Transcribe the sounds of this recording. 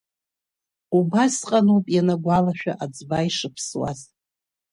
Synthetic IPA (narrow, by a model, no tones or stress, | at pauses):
ubasqʼanupʼjanaɡʷalaʃᶣa̰ʔad͡zbaiʂɨpʰswa̰z